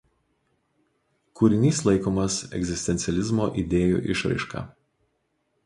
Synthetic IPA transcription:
kuɾʲɪnʲiːslˠɐɪkoːmɐsɛ̰ɡʲzʲɪsʲt̪ʲɛnʲt̪sʲɛlʲɪzmoːʔid̪ʲeːjṵːʔɪ̰ʃɾɐ̰ɪʃkɑ̰ː

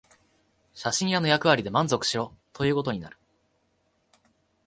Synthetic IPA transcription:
ɕaɕĩɰ̃jano̞jakɯ̟βaɾʲid̪e̞mãnzo̞kɯ̟̥ɕiɾo̞t̪ʰo̞jɯ̟ːko̞t̪̬o̞ɲ̟ina̰ɾɯ̟

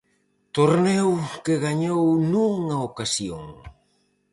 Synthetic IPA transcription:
t̪oɾnɛwkeɣaɲownuŋaokasjoŋ

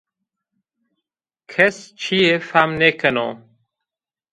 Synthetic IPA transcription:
kʰest͡ɕʰiefamnekʰəno̰

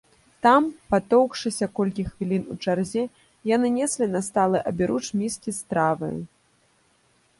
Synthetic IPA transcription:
t̪ampat̪ɔwkʂɨsʲɐkɔlʲkʲixvʲilʲinut͡ʂarzʲɛ | janɨnʲɛsʲlʲinɐst̪alˠɨʔɐbʲiɾut͡ʂmʲiskʲist̪ɾavɐ̰jṵ

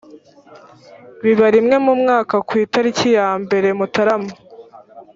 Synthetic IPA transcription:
βiβaɾimŋe̞mumŋaːkakwiːtaɾicijaːmbe̞ɾe̞mutaɾamo

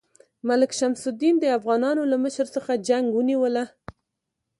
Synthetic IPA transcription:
malɪkʃamsʊd̪ind̪əafɣɑnɑnolaməʃəɾsəxad͡ʒaŋɡwəniwəla

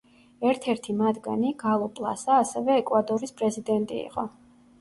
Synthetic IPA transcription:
ɛɾt̪ʰɛɾt̪ʰimad̪ɡa̰niɡalˠɔpʼlˠa̰saːsɛvɛːkʼwad̪ʼɔɾispʼɾɛzid̪ɛnt̪ʼḭḭqʼɔ

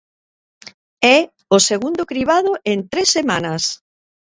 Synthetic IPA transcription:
ɛ | oseɣund̪ʊkɾiβ̞að̞ʊʔent̪ɾesːemanɐs

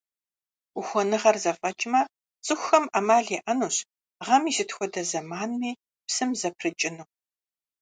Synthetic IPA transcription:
uxʷɔnɨʁɐrzɐfʼɐt͡ʃʼɪmɐ | t͡sʼɨxʷxɐmʔɐmaːɮeːʔɐnuːɕ | ʁɐmizɪtxʷɔdɐzɐmaːnmiː | psɨmzɐpʰrɨt͡ʃʼɪnuː

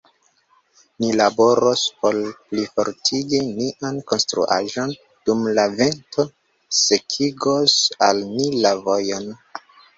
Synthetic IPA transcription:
nilabo̞ɾospo̞lplifo̞̰ɾtʰiɡiniʔanko̞nstɾṵʔa̰ʒon | d̥umlave̞ntʰo̞ | sekʰiɡosalnilavojon

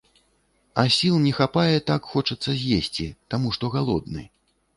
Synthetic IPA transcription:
ɐsʲilˠnʲɛxapajɛt̪akxɔt͡ʂɐt̪sːɐzʲjesʲt͡sʲit̪amuʂt̪ɔɣalˠɔd̪nɨ̰

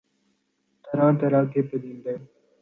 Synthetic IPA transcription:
t̪əɾãːt̪əɾãːk̪ʰeːpəd̪ĩːnd̪eː

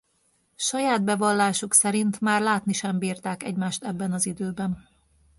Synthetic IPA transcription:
ʃɒjaːd̪̚bɛvɒlːaːʃuksɛɾint̪maːrlaːt̪niʃɛmbiːrt̪aːkɛ̰ɟmaːʃt̪ɛbːɛnɒzid̪øːbɛn

